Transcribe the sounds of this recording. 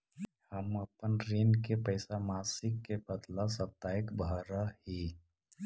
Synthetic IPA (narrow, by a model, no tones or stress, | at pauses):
həməpənɾiːnkepəɪsamaːsɪkːebəd̪lasət̪ːaːɪkbʱaɾahi